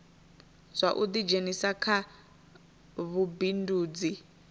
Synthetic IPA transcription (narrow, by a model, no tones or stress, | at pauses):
zʷaʔud̪id͡ʒenisakʰa | βubinduːd͡zi